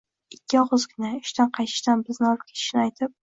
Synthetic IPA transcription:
ɪkʲʰːɪɒʁʊzkʰʲɪnaʊʃt̪anqʰɑjt̪ʰɪ̥ʃt̪anbɪznɪɒlˠɪp̚kʲʰet̪ʰɪ̥ʃnɪajt̪ʰɪp̚

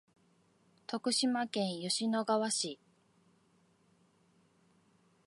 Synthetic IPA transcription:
t̪o̞kɯ̟ɕimakẽ̞ɰ̃joɕino̞ɡaβaɕi

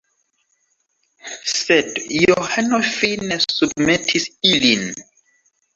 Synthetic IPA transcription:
sɛdjɔhɛnɔfinɛsudmɛtʰisilin

